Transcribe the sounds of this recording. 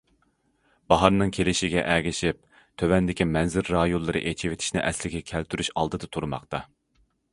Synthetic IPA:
b̥ɑɦɑɾnɨŋkʲʰelɪʃiɡʲɛ̰ʔɛɡʲɪʃip̚ | t̪ʰøwɛnd̪ɪkʲimɛnzɪɾːɑːjolˠːɨɾɨ̰ʔet͡ʃʰiwet̪ʰi̥ʃnɪʔɛslɪɡʲɛkʲʰɛlt̪ʰyɾyʃɑlˠd̪ɨd̪ɨt̪ʰuɾmɑ̰qt̪ɑ

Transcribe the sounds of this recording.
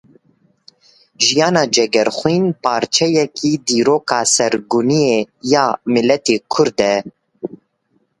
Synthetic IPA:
ʒijɑːnɑːd͡ʒɛɡɛɾxʷwiːnpʰɑːɾt͡ʃʰɛjɛkʰiːd̪iːɾoːkɑːsɛɾɡuniejɑːmɪlɛt̪eːkʰʊɾd̪ɛ

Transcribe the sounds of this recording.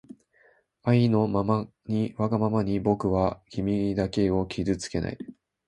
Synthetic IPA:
aino̞mama | ɲ̟iβaɡamamaɲ̟ibo̞kɯ̟βaçʲimʲid̪ake̞o̞kʲʰizɨt͡sɨ̥ke̞nʔa̰i

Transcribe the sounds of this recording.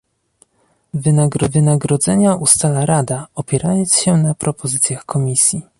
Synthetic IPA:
vɘnaɡɾɔvɘnaɡɾɔd̪zɛɲaust̪alaɾad̪aɔpʲjɛɾʔajɔntsɕɛnapɾɔpɔzɘt̪sʲjaxkʰɔmʲisʲji

